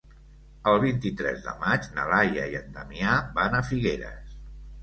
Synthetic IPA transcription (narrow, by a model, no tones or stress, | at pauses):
əlˠβint̪it̪ɾɛ̰zðə̰mad͡ʒnə̰lajə̰iənd̪əmiabanəfiɣeɾə̰s